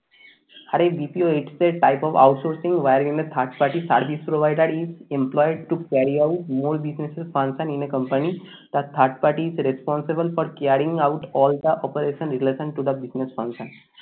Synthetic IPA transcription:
haɾebipioiʈsd̪eʈaɪpɔʋa̰ʊʈsoɾsĩŋɡʋajɾʋĩnd̪ət̪ʰaɾʈpaɾʈisaɾʋispɾoʋaɪɖəɖizẽmplɔɪɖ̚ʈukaɾiaʊʈmoːɾbisnesesfãnsə̃nĩnekə̃mpəni | d̪̥ət̪ʰːəɾʈ̚paɾʈiːzɾespɔ̃nsebəlfɔɾkaɾĩŋɡaʊʈɔːld̪əʔɔpəɾeʃə̃nɾileʃə̃ɳʈːud̪əbisnesfãnsə̃n

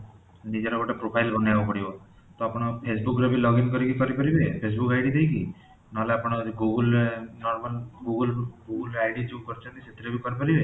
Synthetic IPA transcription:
nid͡ʒeɾɔbɔʈepɾopʰailbʱənjaʋopəɽijo | t̪oapɽ̃ɔpʰesbukɾebʱilɔɡinkəɾikikəɾipəɾibepʰes̬bukaɪɖid̪eiki | naleapəɽ̃ɡuɡəlnɔɾməlɡuɡəlɡuɡəlajɖid͡ʒekəɾt͡ʃʰãnt̪iset̪iɾebʱikɔɾpəɾibe

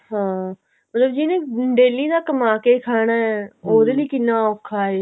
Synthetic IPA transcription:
ɦãː | mət̪ləbd͡ʒinẽːɖeːliːd̪aːkəmaːkeːkʰaːɽ̃aːɛːoːd̪eːliːkɪnːãːokʰːaːeː

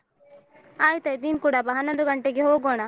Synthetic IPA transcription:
aːjt̪ɐid̪iːnkuːɽabɐɦɐnːond̪uɡɐɳʈeɡeɦoːɡoːɳa

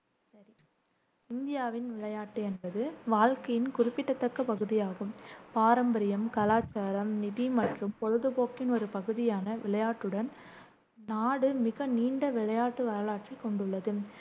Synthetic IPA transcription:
sɐɾi | ɪnd̪ɪjaːʋɪnʋɪɭɐjaːʈːɯɛnbɐðɯʋaːlkɐjɪnkʊrɪpːɪʈːɐt̪ːɐkːɐpɐɣɯðɪjaːɣɯmpaːɾɐmbɐɾɪjɐmkɐlaːt͡ʃːaːɾɐmnɪðimɐʈrɯmpɔɻɯðɯpoːkːɪnɔɾɯpɐɣɯðɪjaːnɐʋʔɪɭɐjaːʈːɯɽɐn | naːɽɯmɪɣɐniːɳɖɐʋɪɭɐjaːʈːɯʋɐɾɐɭaːʈrikːɔɳɖɯɭːɐðɯ

